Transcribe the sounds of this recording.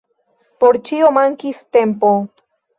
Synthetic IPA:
poɾt͡ʃiomaŋkist̪empo

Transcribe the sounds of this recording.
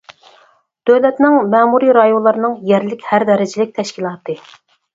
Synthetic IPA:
d̪̥øwlɛt̪nɪŋmɛːmuɾiɾɑjonlˠɑɾɨnɨŋjæɾlɪkʲhæɾd̪ɛɾɪd͡ʒɪlɪk̚ʲt̪ʰɛʃkʲilˠɑːt̪ʰɨ

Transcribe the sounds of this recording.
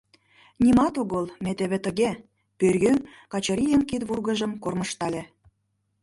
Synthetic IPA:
nʲimɑt̪oɣolmet̪eβet̪ə̆ɣe | pørɣønkɑt͡ɕɤ̆ɾʲijənkit̪βurɣə̆ʒə̆mkorməʃt̪ɑlʲe

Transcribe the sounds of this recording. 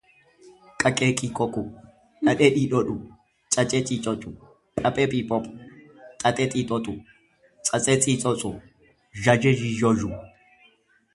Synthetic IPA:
kʼɐkʼeːkʼikʼɔkʼʊ | ɗɐɗɛɗiːɗɔɗʊ | t͡ʃʼɐt͡ʃʼɛt͡ʃʼiːt͡ʃʼɔt͡ʃʼʊ | kʼɐpʼɛpʼipʼɔpʼʊ̥ | tʼɐt̪ʼɛt̪ʼiːt̪ʼɔt̪ʼʊ | t͡sʼɐt͡sʼɛt͡sʼiːt͡sʼɔt͡sʼʊ | ʒɐd͡ʒɛd͡ʒid͡ʒɔʒʊ

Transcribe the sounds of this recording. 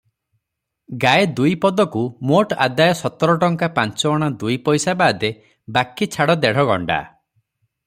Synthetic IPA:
ɡaed̪ujpɔd̪ɔkumoʈa̰d̪ajɔsɔt̪ɔɾɔʈɔŋkapant͡ʃɔːɽ̃ad̪ujpɔjsabaːd̪e | bakit͡ʃʰaɽɔd̪ɛɽ̤ɔɡɔ̰ɳɖa̰

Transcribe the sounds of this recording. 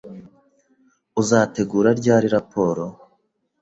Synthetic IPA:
uzaːte̞ɡuːɾaɾɟaːɾiɾapʰo̞ːɾo̞

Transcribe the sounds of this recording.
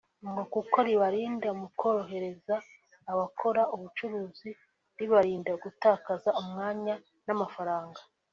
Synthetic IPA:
mɡokuko̞ɾiβaɾiːndamukʰo̞ːɾoɦe̞ɾe̞zaː | βakʰo̞ɾauβut͡ʃuɾuːzi | ɾiβaɾiːndaɡutaːkazaumŋaːɲa | namafaɾaːŋɡa

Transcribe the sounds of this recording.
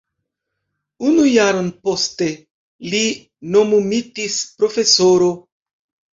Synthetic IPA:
unujaɾonpo̞ste̞ | li | no̞mumitispɾo̞fe̞soɾo

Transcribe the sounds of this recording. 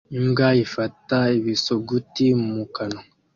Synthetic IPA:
imɡaifataeβisoɡutimumukano

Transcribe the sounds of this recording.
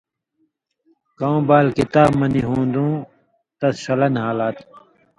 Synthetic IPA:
kãũbaːlkit̪aːbmɐniɦũːnd̪ũː | t̪ɐssɐlɐnhaːlaːt̪

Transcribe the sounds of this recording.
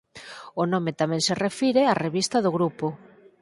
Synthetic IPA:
ʊnomet̪amɛ̃ŋserefiɾeareβist̪ɐðʊɣɾupʊ

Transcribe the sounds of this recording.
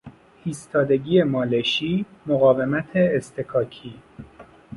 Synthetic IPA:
hiːst̪ʰɒːd̪e̞ɟiːemɒːleʃiːmoɣɒːve̞mæt̪ʰeːst̪ʰekʰɒːcʰiː

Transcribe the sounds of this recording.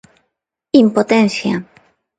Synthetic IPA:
impot̪enθja

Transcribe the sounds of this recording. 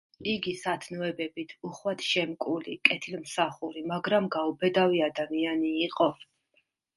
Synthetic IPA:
iɡisat̪ʰnɔɛbɛbit̪ʰuχwat̪ʰʃɛmkʼulikʼɛt̪ʰilmsaχuɾimaɡɾamɡaubɛd̪aviad̪amianiːqʼɔ

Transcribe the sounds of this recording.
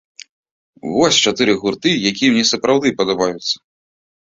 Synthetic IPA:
vɔsʲt͡ʂat̪ɨɾɨɣurt̪ɨjakʲijɛmnʲɛsɐpɾawd̪ɨpɐd̪abajut̪sːɐ̥

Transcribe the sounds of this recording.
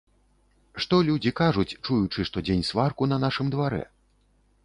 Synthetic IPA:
ʂt̪ɔlʲud͡zʲikaʐut͡sʲt͡ʂujut͡ʂɨʂt̪ɔd͡zʲenʲsvarkunɐnaʂɨmd̪vaɾɛ̰

